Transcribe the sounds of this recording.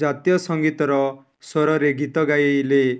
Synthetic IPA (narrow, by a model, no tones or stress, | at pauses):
d͡ʒat̪jɔsɔŋɡit̪ɔɾɔ | sɔɾɔɾeɡʱit̪ɔɡajle